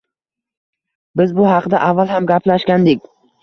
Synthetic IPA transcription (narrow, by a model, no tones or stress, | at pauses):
bɪzbʊɦɑqd̪aʔavːalˠɦamɡʲapʰlaʃkʲand̪ɪk̚ʲ